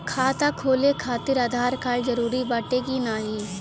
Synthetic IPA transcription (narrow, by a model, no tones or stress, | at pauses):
kʰaːt̪akʰoːlekʰaːt̪ɪɾaːd̪ʱaːɾkaːɭd͡ʒəɾuːɾibaːʈekinaːɦiː